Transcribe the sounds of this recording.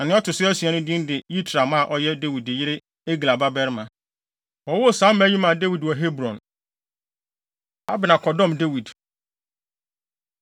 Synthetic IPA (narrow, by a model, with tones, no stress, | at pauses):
na˨nɪ̃˦ɔ˦tʊ˨sɪ˦æ˦si˨ɛ˦nʊ̃˦dɪ̃˦n˦dɪ˨li˦tʰɾa˨mã˦˨ʔɔ˦jɛ˦de˦wi˨dɪ˨jɪ˦ɾɪ˦ | e˦ɡi˨la˨ba˦bɛ˦ɾmã˨ | ɔ˨wɔ˦˨sãː˨˦m˦æ˦ji˦mã˨de˦wi˨dwɔ˨ɦe˦bɾɔ̃˨n | a˦bɪ˨nã˨kʰɔ˨dɔ̃˦˨mde˦wi˨d